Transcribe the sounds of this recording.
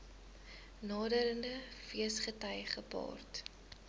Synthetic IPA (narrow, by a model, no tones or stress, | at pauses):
nɑːdəɾəndəfiəsχətɐjχəpɑ̰ːrt